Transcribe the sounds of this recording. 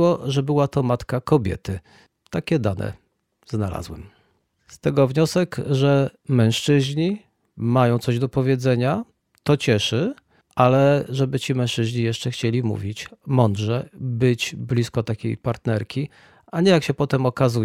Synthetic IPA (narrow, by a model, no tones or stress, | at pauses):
wɔʐɛbɘwat̪ɔmat̪kakɔbʲjɛ̰t̪ɘ | t̪akʲɛd̪anʔɛ̰ | znala̰zwɛ̰m | st̪ɛɡɔvɲɔsɛkʐɛmɛ̃w̃ʂt͡ʂɘʑɲi | majɔ̃w̪̃sɔʑd̪ɔpɔvʲjɛd̪zɛɲa | t̪ɔt͡ɕɛʂɘ | ʔalɛʐɛbɘt͡ɕimɛ̃w̃ʂt͡ʂɘʑɲijɛʂt͡ʂɛxt͡ɕelʲimṵvʲit͡ɕmɔnd̪ʐɛbɘt͡ɕblʲiskɔt̪akʲḛjpaɾt̪nɛɾkʲi | ʔaɲɛjakɕɛpɔt̪ɛmɔkazu